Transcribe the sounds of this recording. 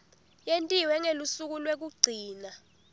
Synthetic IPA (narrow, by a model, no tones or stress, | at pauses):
jentʼiwɛŋelusuk̬ulwek̬uɡ͡ǀʱiːna